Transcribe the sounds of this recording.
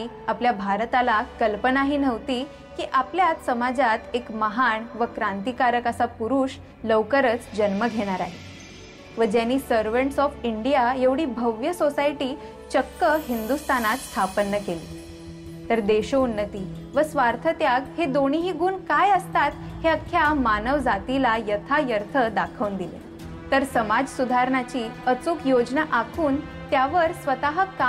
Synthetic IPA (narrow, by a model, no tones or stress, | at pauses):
i | apljabʱaɾt̪alakəlpənaɦiːnəʋt̪iː | kiːʔapljat̪səmad͡zat̪ekməɦaɳʋəkɾãnt̪ikaɾəkəsapuɾuːɕ | ləwkəɾət͡sd͡ʑənməɡʱeɽ̃aɾaɦe | ʋəd͡ʑjanːiːsəɾʋəɳʈsɔfiɳɖijajeʋɽiːbʱəʋjəsosajʈiː | t͡ɕəkːəɦind̪ust̪ʰanat̪st̪ʰapənːəkeli | t̪əɾd̪eɕounːət̪iːʋəsʋaɾt̪ʰət̪jaɡhed̪oɽ̃iɦiːɡuːnkajəst̪at̪heəkʰːjamanəʋd͡zat̪ilajət̪ʰajəɾt̪ʰəd̪akʰəʋnd̪ilḛ | t̪əɾsəmad͡zsud̪ʱaɾɳat͡ɕiːət͡suːkjod͡ʑnaʔakʰuːn | t̪jaʋəɾsʋət̪aɦəka